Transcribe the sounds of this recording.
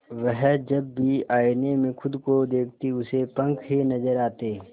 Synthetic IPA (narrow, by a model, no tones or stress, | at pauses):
ʋɛɦd͡ʒɐbːiaːɪnemẽxʊd̪kod̪eːk̚ʰt̪iʊsepɐ̃ŋkʰɦinɐzəɾaːt̪eː